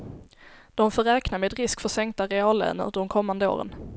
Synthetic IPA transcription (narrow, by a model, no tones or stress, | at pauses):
d̪̥ɔmfœɾɛːknameːd̪ɾɪskfœsɛŋkt̪aɾɛɑːlːɛ̰ːnə̰d̪d̪ɔmkʰɔmːand̪əo̰ːɾə̰n